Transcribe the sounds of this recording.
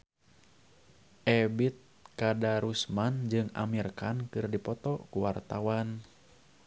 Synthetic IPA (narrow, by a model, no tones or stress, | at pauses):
ʔɛbit̪̚kadaɾusmand͡ʒɨŋa̰mirkankɨrdipɔt̪ɔkuwart̪awan